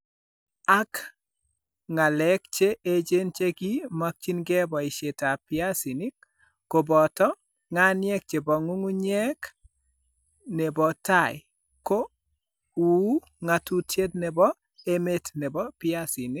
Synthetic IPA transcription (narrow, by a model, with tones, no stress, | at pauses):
a˦k | ŋa˨lɛ˦k̚t͡ʃe˦ʔe˦d͡ʒe˦nt͡ʃe˦ki˦ma˦k̚t͡ʃi˦nɡɛ˦bɔ˨ɪ˨ʃe˨ta˨pɪa˦si˨ni˦k̚ː | o˨bɔ˨tɔ˦ | ŋa˦njɛ˦k̚t͡ʃe˨bɔ˨ŋu˦ŋu˦ɲɛ˦k | ne˨bɔ˨ta˦˨j | ko˦ | u˨˦ | ŋa˨tu˦tje˦tnɛ˨bɔ˦ | e˦me˦tne˨bɔ˦pɪa˦si˨nɪ˦k